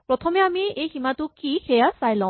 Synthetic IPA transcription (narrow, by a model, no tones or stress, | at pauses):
pɹɔtʰɔmɛamiejximatʊkixɛjasajlɔ̃